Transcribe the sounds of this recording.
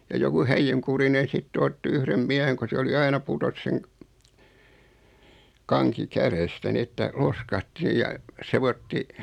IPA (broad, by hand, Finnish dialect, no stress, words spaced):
jɑ joku hæijyŋkurinen̞ sitːĕ otːi yhrem miæheŋ ko se oli ɑinɑ putos seŋ kɑŋki kærestæ ni etːæ loskɑhti jɑ seʋotːi